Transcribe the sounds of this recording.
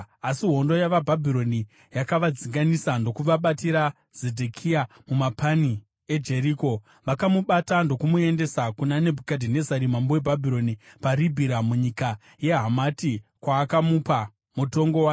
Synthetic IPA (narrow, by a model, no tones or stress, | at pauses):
asiɦo̞ndo̞jaʋabʱabʱiɾo̞ni | jakaʋad͡ziŋɡanisando̞kuʋaɓatiɾa | z̥edʱekʰia | mumapani | e̞d͡ʒe̞ɾiːko̞ | ʋakamuɓatando̞kumue̞nde̞sakunanebʱukadʱine̞zaɾimambowebʱabʱiɾo̞nipaɾibʱiɾamuɲika | je̞ɦamatikwaːkamupa | muto̞ŋɡo̞waː